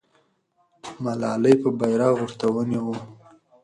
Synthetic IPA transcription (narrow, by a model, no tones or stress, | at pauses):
malɑləjpəbajɾɑɣʊɾt̪awəniwu